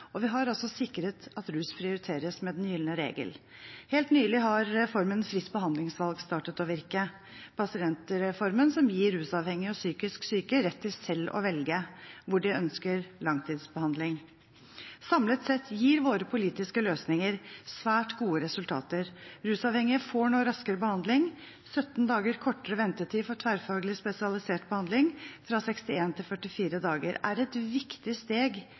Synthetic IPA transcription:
ɔʋɪɦɑɾɔlsɔsɪkɾət̪ɑt̪ɾʉːspʰɾɪʊɾɪt̪ʰeːɾəsmɛd̪ɛnjʏlənəɾḛːɡə̰l | heːlt̪nyːlɪɦɑɾɾɛfɔɾmənfɾɪs̚bəɦɑnd̪lɪŋsʋɑlɡst̪ɑːʈət̪ɔʋɪɾkə | pʰɑsɪɛnt̪əɾɛfɔɾmənsɔmjiːɾʉːsɑːʋhɛŋːɪɔsyːkɪsksyːkəɾɛt̪ʰːɪlsɛlːɔ̰ʋɛlɡəʋʊɖɛœnskəɾlɑŋt̪ʰiːd̪sbəhɑnd̪lɪŋ | sɑmlət̪sɛt̪ʰːjiːɾʋoːɾəpʰʊliːt̪ɪskəløːsnɪŋəɾsʋæːʈɡuːəɾɛsʉlt̪ʰɑ̰ːt̪əɾɾʉːsɑːʋhɛŋɪəfɔɳuːɾɑskəɾəbəhɑnd̪lɪŋ | sœt̪ːnd̪ɑːɡəɾkʰɔʈːəɾəʋɛnt̪əʈʰiːfɔʈ̪ʰʋæːɾfɑːɡlɪspɛsɪɑlɪseːʈbəhɑnd̪lɪŋfɾɑsɛkst̪ɪeːnt̪ʰɪlfœʈːɪfiːɾəd̪ɑːɡə̰ɾæ̰ɾɛt̪ʋɪkt̪ɪst̪eːɡ

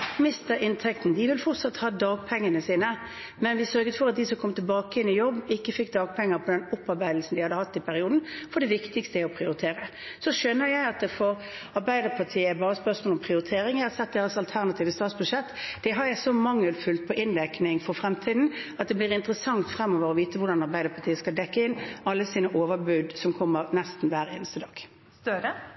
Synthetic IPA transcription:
mɪst̪əɾɪnt̪ʰɛkt̪n̩d̪ɪʋɪlfɔʁt̪sɑt̪ːhɑːd̪ɑːɡ̚pʰɛŋːənəsiːnə | mɛnʋɪsœɾɡət̪fɔɾɑt̪̚d̪ɪsɔmkʰɔmt̪ʰɪlbɑːkəɛnːɪjɔbːɪkːəfɪkːd̪ɑːɡ̚pʰɛŋːəɾpʰɔd̪ɛnʊpːɑɾbæɪd̪l̩sn̩d̪ɪhɑd̪ːəhɑt̪ːɪpʰæɾɪuːd̪n̩fɔɾɖ̪ɛʋɪkt̪ɪkst̪əɛɔpʰɾɪʊɾɪt̪ʰeːɾə | sɔʃœnːəɾjæɪɑt̪̚d̪ɛfɔɾ | ɑɾbæɪd̪əɾpʰɑtʰiːəbɑːɾəspœʁsmoːlɔmpʰɾɪʊɾɪt̪ʰeːɾɪŋɛɑsɛt̪̚d̪eːʁəsɑlt̪ʰæʁnɑt̪ʰiːʋəst̪ɑːt̪sbʉʂɛt̪ːd̪̥ɛɦɑɾæsɔmɑŋːəlfʉːlt̪̚pʰɔʔɪnɾæknɪŋfɔɾfɾɛmt̪ʰiːd̪n̩ɑt̪̚d̪ɛblɪːɾɪnt̪əɾəsɑŋt̪fɾɛmːoːʋəɾɔʋiːt̪əʋʊɖɑnɑɾbæɪd̪əɾpʰɑt̪ʰiːəskɑld̪ɛkːəɪnɑlːəsiːnəʔoːʋəɾbʉːd̪sɔmkʰɔmːəɾnɛst̪n̩ʋæːɾḛːnəst̪əd̪ɑ̰ːɡ̥̪

